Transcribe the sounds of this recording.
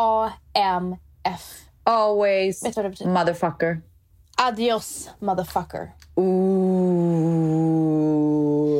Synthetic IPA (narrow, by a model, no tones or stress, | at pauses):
ɑɛm | ɛf | ɔlˠwiz̥ɛtəɾɛvtmʌðə˞fʌkə˞ | ʔadiɔsmʌðə˞fʌkə̰˞u